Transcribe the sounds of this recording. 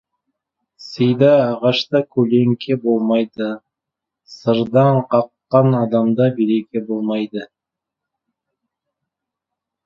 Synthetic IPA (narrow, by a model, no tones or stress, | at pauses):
səjd̪ɑːʁɑʃt̪ɑkʲʰɵle̞ŋkʲʰe̞bo̞lˠmɑjd̪ə | səɾd̪ɑɴqʰɑqːɑnɑd̪ɑmd̪ɑbeɾekʲe̞bo̞lˠmɑjd̪ə